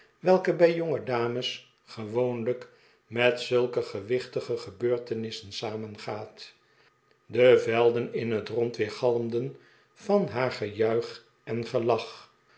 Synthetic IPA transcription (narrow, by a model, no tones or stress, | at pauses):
ʋɛlˠkəbɛjjoŋədaːməs | χəʋownlək | mɛtsɵlˠkəχəʋɪχtəχəχəbøːɹtənɪsənsaːmənχaːt | dəvɛlˠdənɪnɦətrɔntʋɪːɹχɑlˠəmdən | fɑnɦaːɹχəjœɥχ | ɛnχəlɑχ